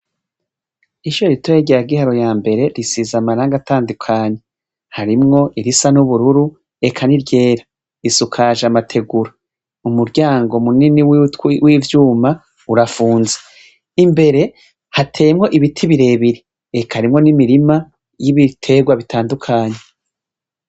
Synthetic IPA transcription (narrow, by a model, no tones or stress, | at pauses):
iʃuɾeɾitoeɟeɾaɡihaɾo̞jaːmbe̞ɾe̞ɾisizamaɾaːŋɡataːndukʰaːɲe | haɾimŋo̞ʔiɾisanuβuɾuɾu | e̞kʰaniɾɟe̞ːɾa | isukʰaʒamatʰe̞ɡuɾa | umuɾɟaːŋɡo̞muniniwtwiːvjuːma | uɾafuːnze | imbe̞ɾe̞ | hatʰe̞ːmŋo̞ʔiβitʰiβiɾe̞ːβiɾi | ekʰaɾimŋo̞nimiɾima | jiβitʰe̞ːɡwaβitʰaːndukʰaːɲe̞